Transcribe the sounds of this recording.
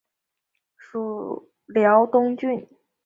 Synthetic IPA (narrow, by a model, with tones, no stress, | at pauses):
ʂu˨˥˩ | ljɑ˧˥ʊt̪ʊ˥ŋt͡ɕy˥˩n